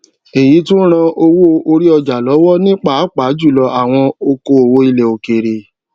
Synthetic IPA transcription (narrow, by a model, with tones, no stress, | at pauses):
e˨ji˨˦tũ˦ɾ̃ã˧ʔo˧wo˦o˧ɾi˦ɔ˧d͡ʒa˨lɔ˨˦wɔ˦nĩ˦k͡pa˦˨a˨˦k͡pa˨˦d͡ʒu˦˨lɔ˧a˨w̃ɔ̃˧o˧ko˧o˨wo˧i˧le˨o˨ke˨ɾe˨